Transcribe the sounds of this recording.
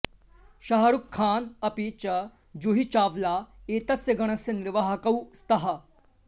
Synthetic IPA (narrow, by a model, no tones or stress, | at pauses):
ʃɐɦɐɾukʰːaːnɐpit͡ʃɐ | d͡ʒoːɦit͡ʃaːʋlaeːt̪ɐsjɐɡɐɽ̃ɐsjɐnɪɾʋɐɦɐkɐwst̪ɐɦɐ